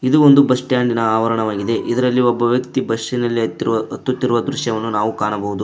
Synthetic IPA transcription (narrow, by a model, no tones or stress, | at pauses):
id̪uond̪ubɐsʈjaːɳɖinɐaːʋɐɾɐɳɐʋaːɡid̪e̞ʔid̪ɐɾɐlːiɔbːɐʋjɐkt̪ibɐʂinɐlːiɐt̪ːut̪ːiɾuʋɐd̪ɾuʃjɐʋɐnːunaːʋukaːɳɐbɐɦud̪u